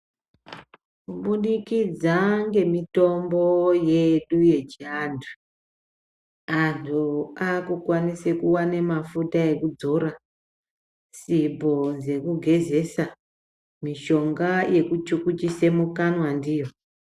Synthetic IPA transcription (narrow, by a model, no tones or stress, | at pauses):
kuɓuɗikid͡zaŋɡe̞mito̞mbo̞je̞ɗuje̞d͡ʒandʱu | antʰuakukwanisekuwane̞mafutae̞kud͡zo̞ɾa | sibʱo̞d͡ze̞kuɡʱe̞ze̞sa | miʃo̞ŋɡaje̞kut͡ʃukut͡ʃise̞mukanwandijo̞